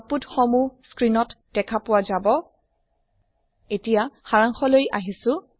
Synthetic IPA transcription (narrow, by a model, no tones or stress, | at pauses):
putxɔmuskɹinɔtd̥ɛkʰapʊwazabɔ | etijaxaɹaŋxɔlojaɦisʊ